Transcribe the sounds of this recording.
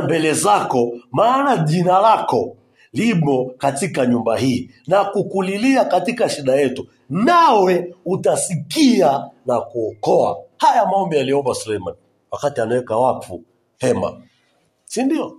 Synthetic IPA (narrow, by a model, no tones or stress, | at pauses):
mbɛlɛzakɔmaːnaʄinalakɔ | limɔkatikaɲumbaɦiː | nakukuliliakatikaʃiɗajɛtu | nawɛutasikianakuɔkɔa̰hajamaɔmbialiɔmbasulɛjmani | wakatianawɛkawafu | hɛma̰ | sindiɔ